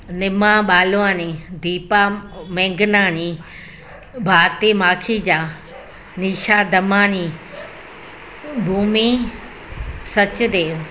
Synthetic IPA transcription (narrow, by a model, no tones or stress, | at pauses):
nɪmãɓaːloaːnĩd̪ʱiːpamẽːŋɡɪnaːnĩ | bʱaːt̪emaːkʰid͡ʑaː | niːʃaːd̪ɐmaːni | bʱuːmi | sɐt͡ɕʊd̪eː